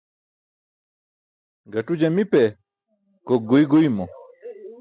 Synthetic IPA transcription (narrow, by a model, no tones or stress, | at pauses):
ɡɐʈud͡ʑɐmipe | koɡujɡujmo